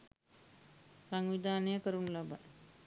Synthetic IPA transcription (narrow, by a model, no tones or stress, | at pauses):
saŋʋid̪ʱaːnəjəkəɾunlaba̰j